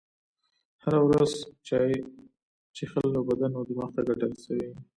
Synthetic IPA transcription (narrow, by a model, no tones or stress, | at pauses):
haɾawɾaz | t͡ʃexəlːabad̪anad̪əmɑxt̪aɡaɖəlsəwe